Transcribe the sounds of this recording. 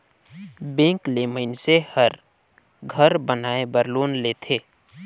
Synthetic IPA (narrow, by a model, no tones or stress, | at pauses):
bẽːkleməɪnsehəɾ | ɡʱəɾbənaːebəɾloːnleːt̪ʰeː